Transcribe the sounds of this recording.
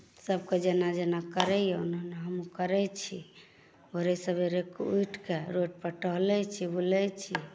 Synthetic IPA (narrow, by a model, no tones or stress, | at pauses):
səb̚ked͡ʒenad͡ʒenakəɾɛjɛunɦəneɦəmukəɾɛt͡ʃʰi | oɾesəbʱeɾekujʈʰkeɾoʈ̚pəʈəɦlɛt͡ʃʰibulɛt͡ʃʰi